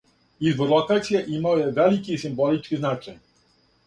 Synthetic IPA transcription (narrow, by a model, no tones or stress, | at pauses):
izbɔɾlɔkat̪sʲijɛʔimajɛvɛlʲikʲisimbɔlʲit͡ʂkʲiznat͡ʂɛɲ